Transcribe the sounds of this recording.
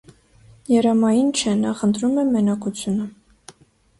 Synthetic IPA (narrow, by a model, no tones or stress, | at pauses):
jɛɾɑmɑjint͡ʃʰɛnɑχənt̪ʰɾumɛmɛnɑkut͡sʰjunə